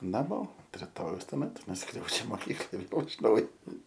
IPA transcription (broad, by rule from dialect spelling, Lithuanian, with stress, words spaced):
nɐˈmoː ʊnt rʲɪˈtoːjɛʊs tuɔˈmʲɛt nʊˈskrʲɛʊd͡ʒʲɛ moːˈkʲiːklˠɐj ˈʋʲeːlˠ ɪʃ ˈnɐʊjoː